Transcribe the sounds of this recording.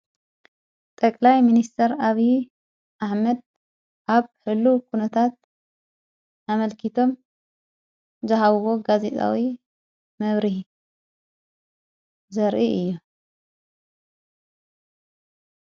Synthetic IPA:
t̪ʼɐkʼlajminist̪ʰɐɾaβi | ʔaħmɐd̪̚ | ʔaβħɨlːukʰunɐt̪ʰat̪̚ | ʔamɐlkʰit̪ʰo̞m | zɐɦaβɨwo̞ɡazet̪ʼa̰wi | mɐβɾih | zɐɾʔiʔɨjːu

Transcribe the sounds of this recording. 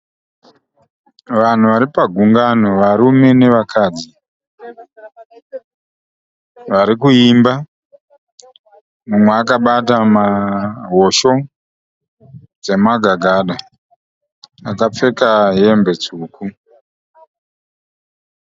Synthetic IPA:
ʋan̤uʋaɾipaɡʱuŋɡanoʋaɾume̞ne̞ʋakʰaːd͡zi | ʋaɾikuimba | mumweak̬aɓatamaɦoʃo̞ | d͡ze̞maɡʱaɡʱaɗa | akap͡fe̞kaɦe̞mbe̞t͡suːku

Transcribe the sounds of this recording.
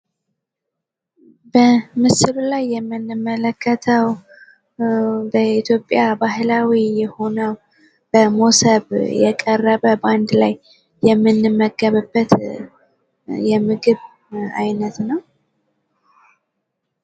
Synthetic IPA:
bəmɨsɨlulajːɛmːɨnːɨmːələkːət̪ʰəw | bəit̪ʰjo̞pʼːjabaɦlawijɛho̞nəw | b̥əmosəβjɛkʼərːəβəband̪lajː | ɛmːɨnːɨmːəɡəβəbːət̪ | jɛmɨɡɨβ | ajnət̪nəw

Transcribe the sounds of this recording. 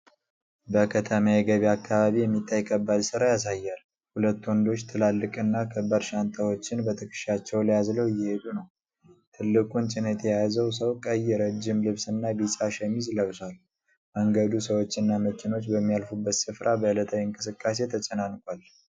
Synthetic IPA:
bəkʰət̪ʰəmajɛɡəβiakʰːaβaβijɛmːit̪ʰːajkʰəbːad̪sɨɾajas̬ajːal | hulət̪ːwɔnd̪o̞t͡ʃːt̪ʰɨlalːɨkʼɨnːakʰəbːəɾʃant̪ʰawo̞t͡ʃːɪnbət̪ʰɨkʰʼɨ̥ʃat͡ʃːɛwləjazləwɪjːɛhed̪unəw | t̪ʰɨlːɨkʼunt͡ʃʼɪnət̪ʰʼjɛjazəws̬əwkʼəjːɛɾəd͡ʒːɪmlɨβsɨnːabisʼaʃɛmizləβswal | məŋɡəd̪usəwo̞t͡ʃːɨnːaməkʰɪno̞t͡ʃːbəmːijalfubːət̪sɨfɾʔabəɨlət̪ʰawiɨŋkʼɨsɨkʼːas̬e̞t̪ʰət͡ʃʼənankʼal

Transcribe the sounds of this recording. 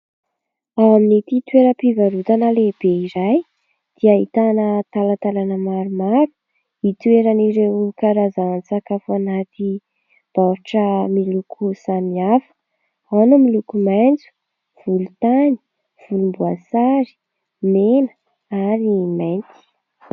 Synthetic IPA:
awaminit̪it̪ueɾəpivaɾut̪anəleb̥eiɾaj | d̪̥iaɦit̪anət̪alat̪alanəmaɾumaɾu̥ | it̪ueɾaniɾewkaɾazaant͡sakafuanat̪i | b̥aɾuʈ͡ʂəmilukʰusamiafə̥ | anumilukumand͡zu̥ | v̥ulut̪ani̥ | v̥ulumbuasaɾi̥ | menə̥ | aɾimajnt̪i̥

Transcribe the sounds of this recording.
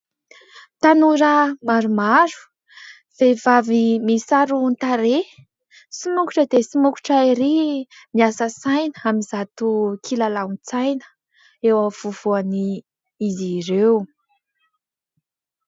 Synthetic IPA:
t̪anuɾəmaɾumaɾu̥ | v̥evavimisaɾunt̪aɾe | simukuʈ͡ʂəd̪esimuku̥ʈ͡ʂaiɾi | miasəsajnəamizat̪ukʰilalaunt͡sajnə̥ | ewəv̥uv̥uani | izireu

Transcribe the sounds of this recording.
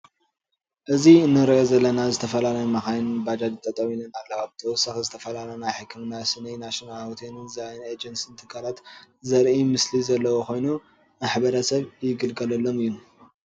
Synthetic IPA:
ʔɨziɨnːɨɾɐjozɐlːɐnazɨt̪ʰɐfɐlalɐjumaxajnɨbad͡ʒad̪it̪ʼːɐt̪ʼɐminɨnaβlːɐβaβt̪ʰɐwʊsaxizɨt̪ʰɐfɐlalɐnajħɨkʰːɨmnasɨnijnaʃonalhot̪ʰenɨnzajned͡ʒɐnsint̪ʰɨkʰːalat̪ | zɐɾʔimɨslizɐlːɐwoko̞jnu | maħbɐɾɐsɐβjɪɡɨlɡɐlɐlːo̞mɨjːu

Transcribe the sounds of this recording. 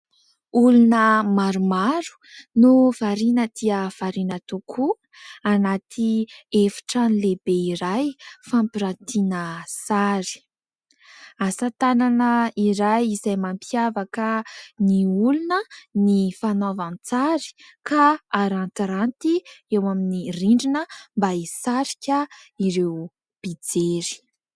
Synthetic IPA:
ulunəmaɾumaɾu̥nuvaɾinəd̪̥iəv̥aɾinət̪ukʰu | anat̪ʰiefi̥ʈ͡ʂanilebeiɾajfampiɾant̪inəsaɾi̥ | asat̪ananəiɾajizajmampiavakəniulunənifanovant͡saɾi̥kʰaaɾant̪iɾant̪iewaminiriɳɖ͡ʐinəmbaisaɾikʲəiɾew | b̥id͡zeɾi̥

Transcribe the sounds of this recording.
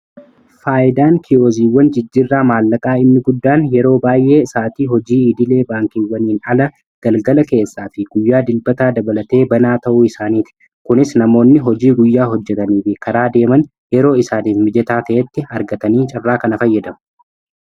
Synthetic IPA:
faːʔɪd̪aːŋkʰɪoːziːwːɐnd͡ʒɪd͡ʒːirːaːmaːlːɐkʼaːɪnːɪɡʊd̪ːaːnjɛɾo̞ːbaːjʔe̞ːsaːt̪iːɦɔd͡ʒiːɪd̪ɪle̞ːbaːŋkiwːɐniːnɐlɐ | ɡ̥ɐlɡɐlɐke̞ːsːaːfɪɡ̥ʊjːaːd̪ɪlbɐt̪aːd̪ɐbɐlɐt̪e̞ːbɐnaːt̪ɐʔuːɪsaːniːt̪ɪ̥ | kʊnɪsnɐmo̞ːnːɪɦɔd͡ʒiːɡʊjːaːɦɔd͡ʒːɛt̪ɐniːfɪkɐɾaːd̪e̞ːmɐn | jɛɾo̞ːɪsaːniːfmɪd͡ʒɛt̪aːt̪ɐʔɛt̪ːɪɐɾɡɐt̪ɐniːt͡ʃʼɪrːaːkɐnɐfɐjːɐd̪ɐmɐ̥

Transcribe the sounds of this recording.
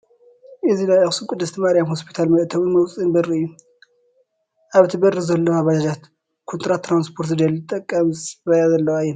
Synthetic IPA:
ʔɨzinajɐxsɨkʷʼʊd̪ɨst̪ʰimaɾjamhospʰi̥t̪ʰalmɐʔt̪ʰɐβɨnmɐwsʼɨnbɐriɨjːu | ʔaβɨt̪ʰibɐrizɐlːoaβad͡ʒad͡ʒat̪ | kʰont̪ʰʼɾat̪ʰːɾanspʰo̞ɾt̪ɨd̪ɐlɨt̪ʼːɐkʼːɐmzɨβɐjazɐlːɐwajːɛn

